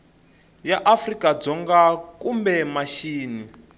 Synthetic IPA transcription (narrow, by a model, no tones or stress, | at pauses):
jaʔafrikad͡zɔŋɡakumbɛmaʃiːni